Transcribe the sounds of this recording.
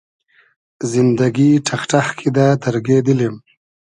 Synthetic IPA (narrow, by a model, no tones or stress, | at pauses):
zɪnd̪aɡiʈʰaxʈaxkʰid̪ad̪əɾɡed̪əlim